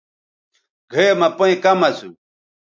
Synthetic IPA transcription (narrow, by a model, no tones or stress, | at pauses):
ɡʱemɐpoĩkɐmɐsũ